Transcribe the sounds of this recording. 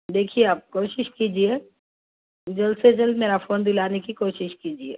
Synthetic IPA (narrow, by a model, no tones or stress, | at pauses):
d̪eːkʰieaːp̚koːʃɪʃkiːd͡ʒie | d͡ʒɐlsed͡ʒɐlmeːɾafoːnd̪ɪlaːnekikoːʃɪʃkiːd͡ʒieː